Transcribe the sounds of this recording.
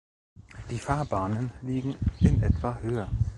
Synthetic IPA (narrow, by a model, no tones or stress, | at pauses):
d̥iːfaːɐbaːnənliːɡŋ̩ʔɪnʔɛtv̥ahøːɐ